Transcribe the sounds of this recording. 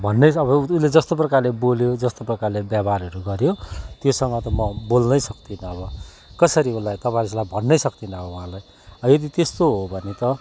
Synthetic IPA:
bʱʌnːʌjʌβʌuled͡zʌst̪op̬rʌkarleboljod͡zʌst̪oprʌkarlebjabaɾɦʌɾuɡʌɾjot̪josʌŋʌt̪ʌmʌbolnʌjsʌkt̪inʌːbʌ | kʌsʌɾiulajt̪ʌpãĩslabʱʌnːʌjsʌkt̪inʌɦoũɦãlaj | ʌjʌd̪it̪est̪oɦobʱʌnet̪ʌ

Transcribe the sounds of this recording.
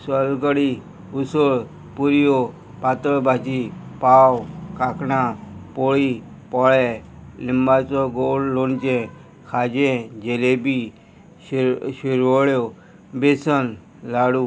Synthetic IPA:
səlɡəɽiː | ʊsəɭ | puɾɪjo | paːt̪əɭbʱaːt͡ʃiːpaːwkaːknaːpoːɭiː | pɔɭɛlɪmbaːt͡soɡoːlloːnt͡ʃẽː | kʰaːd͡ʒẽːd͡ʒeːleːbiː | ʃʊɾʋoɽjoː | besən | laːɽuː

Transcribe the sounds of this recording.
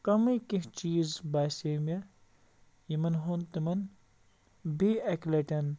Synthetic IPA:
kɐmɨjkiht͡ʃiːzbajseːmʲɐ | jimɐnɦont̪imɐn | biɐklɐʈʲɐn

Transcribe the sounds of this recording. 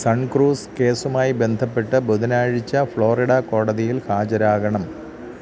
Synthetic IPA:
sɐɳkruːske̞ːsumaːjibe̞nd̪ʱɐpːe̞ʈːɨboðɐnaːɻit͡ɕːɐfɭo̞ːriɽɐko̞ːɽɐðijilhaːd͡ʑɐɾaːɡɐɳɐm

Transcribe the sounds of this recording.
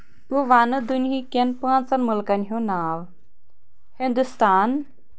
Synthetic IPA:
t̪uʋanəd̪unɦikenpəãnt͡sanmulkanɦunaʋ | hind̪ust̪aːn

